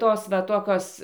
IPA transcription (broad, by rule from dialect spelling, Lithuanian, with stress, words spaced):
ˈtoːs ʋɐ ˈtoːkʲoːs